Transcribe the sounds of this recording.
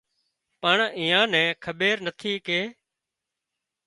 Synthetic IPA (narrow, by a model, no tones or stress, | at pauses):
pəɳĩːãːnɛ̃ːkʰəɓeːɾnət̪ʰiːkeː